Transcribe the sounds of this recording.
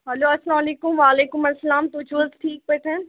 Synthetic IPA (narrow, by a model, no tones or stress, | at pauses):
ɦɐloːɐslãːmɐleːkʊmʋaːleːkʊmɐsːɐlaːmt̪ʊt͡ʃʰozʈʰiːk̚peʈ̪ʰẽn